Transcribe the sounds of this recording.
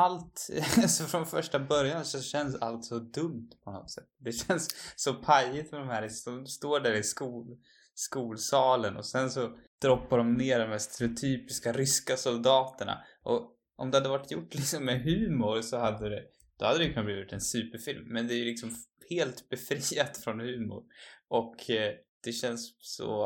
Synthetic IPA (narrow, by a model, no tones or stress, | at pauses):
alt̪asɔfɾɔnfœʂʈabœɾjansɔɕɛnsa̰lt̪sɔd̪ɵmt̪pʰɔnɔ̰t̪sɛt̪ːd̪ɛɕɛnsːɔpʰajɪt̪mɛd̪ɔmhæːɾɪsɔst̪oːɖæːɾɪskuːl | skuːlsɑːlənʔɔ̰sɛnsɔd̪̥ɾɔpːaɖɔmneːɖɔmhæst̪ɛɾɛʊt̪ʰyːpɪskaɾʏskasɔld̪ɑːt̪əɳa̰ | ʔɔ | ʔɔ̰md̪ɛhad̪ːəvaʈʰːjʊʈːlɪksɔmːɛɦʉ̟ːmʊɾsɔhad̪ːəd̪ɛ | d̪̥ɔhad̪ːɾɛjʏkʰɵnabliːvɪt̪ɛnsʉ̟ːpəɾfɪlmːɛnd̪ɛæɾjɵlɪksɔmheːlt̪bɛfɾiːat̪fɾɔnhʉ̟ːmʊ̰ɾʔɔkʰd̪̥ɛɕɛnsːɔ̰